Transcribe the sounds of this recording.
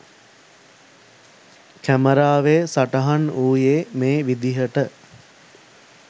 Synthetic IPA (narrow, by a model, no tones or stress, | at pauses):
kæməɾaːʋeːsaʈəɦanuːjeːmeːʋid̪iɦəʈə